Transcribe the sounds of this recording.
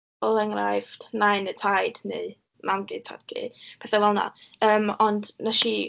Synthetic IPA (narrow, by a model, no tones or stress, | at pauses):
ɔlˠɛŋrajvd̥najnətʰajd̥ne | mʔanɡɨtʰɔ̰dɡ̥ḭdpʰɛθawɛlˠnɔ̰əːmɔndnəʃi